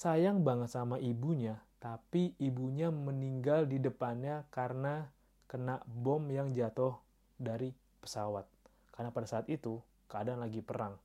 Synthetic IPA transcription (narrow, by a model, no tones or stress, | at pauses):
sajaŋbaŋət̪samaʔibuɲat̪apiːbuɲaməniŋɡaldidəpanɲakarəna | kənaʔbɔmjaŋd͡ʒat̪ʊh | daɾi | pə̥sawat̪̚ | kaɾənapadasaːt̪it̪u | kəadanlaɡipəɾaŋ